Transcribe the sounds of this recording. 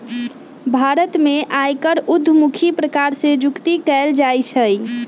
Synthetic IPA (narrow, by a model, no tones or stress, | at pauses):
bʱaɾət̪meʔajkəɾud̪ʱːmukʰipɾəkaɾsẽd͡ʒukt̪ikɛld͡ʒajt͡ʃʰəj